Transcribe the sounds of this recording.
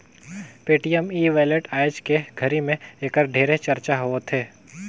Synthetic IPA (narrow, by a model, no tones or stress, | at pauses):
peːʈijəmiːʋeːleʈaːɪd͡ʒkeɡʱɐɾimẽeːkəɾɖʱeːɾet͡ʃɐɾt͡ʃaɦoːt̪ʰeː